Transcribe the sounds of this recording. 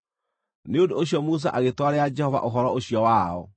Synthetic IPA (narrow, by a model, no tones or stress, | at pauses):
neondooɕijɔmus̬aʔaɣetwaɾead͡ʒɛhɔva̰ʔoɦɔɾɔoɕijɔwaɔ̰